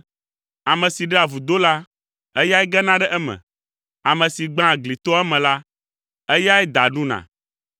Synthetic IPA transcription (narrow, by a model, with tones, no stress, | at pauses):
a˨mɛ̃˨si˨ɖɛ˦a˨vu˨d̪o˦la˦ | ɛ˦ja˦ɛ˦ɡɛ˦nã˦ɖɛ˦ʔɛ˦mɛ̰̃˨ | a˨mɛ̃˨si˨ɡ͡bã˦˨ɡli˨t̪ɔ˦ɛ˦mɛ̃˨la˦ | ɛ˦ja˦ɛ˦d̪a˨ɖũ˦nã̰˨